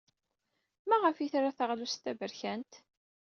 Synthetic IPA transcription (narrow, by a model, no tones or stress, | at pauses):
mæʁəfiθɾaθəʁlust̪ːævəɾçænt̪